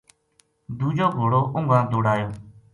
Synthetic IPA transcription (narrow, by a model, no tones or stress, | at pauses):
d̪uːd͡ʒoːɡʱoːɽoːʔʊŋɡãːd̪oːɽaːjoː